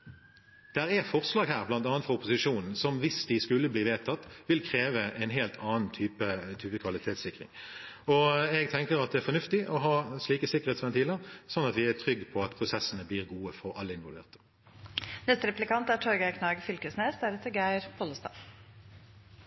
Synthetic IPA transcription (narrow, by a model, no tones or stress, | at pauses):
d̪̥æʁɛfɔʁslɑːɡɦæːʁblɑnt̪ɑːnt̪ʁɑʊpːʊsɪʂuːnn̩sɔmʋɪsd̪̥ɪskʉlːəbliːʋeːt̪ʰɑt̪ːʋɪlkʰʁeːʋəʔɛnɦeːlt̪ʰɑːn̩t̪ʰyːpət̪ʰyːpəkʰʋɑlɪt̪ʰeːt̪sɪkʁɪ̰ŋ | ɔɛɡ̚t̪ʰɛŋkəʁɑt̪̚d̪ɛæɾfɔnʉft̪ɪʔɔɦɑːsɭiːkəsɪkəʁ̩ɛːt̪sʋɛnt̪ʰiːləʁsɔnːɑt̪ʋɪæt̪ʰʁʏɡːpʰɔɑt̪pʰʁʊsɛsənəbliːʁɡuːəfɔʁɑ̰lːəɪnʋɔlʋḛːʁt̪ə̥ | nɛst̪əɾɛplɪkɑnt̪æʈʰɔɾɡækʰnɑːɡfʏlkəsneːsd̪æɾɛt̪ːəɾɡæɪɾpʰɔləst̪ɑ̰ː